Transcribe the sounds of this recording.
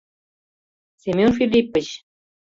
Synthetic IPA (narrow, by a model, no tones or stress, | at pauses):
sʲemʲjonfilʲipɘ̆ɕ